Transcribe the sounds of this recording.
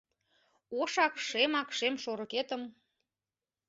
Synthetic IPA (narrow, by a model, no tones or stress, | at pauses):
oʃɑkʃemɑkʃemʃoɾoket̪ə̆m